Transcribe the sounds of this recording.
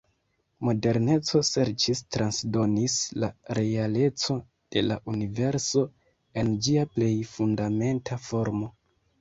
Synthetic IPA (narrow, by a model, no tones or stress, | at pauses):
mo̞de̞ɾne̞t͡so̞se̞ɾt͡ʃistɾansdo̞nislaɾe̞ale̞t͡so̞ | d̥e̞laʔunive̞ɾso̞ | e̞nd͡ʒiaple̞jfundame̞ntʰafo̞ɾmo̞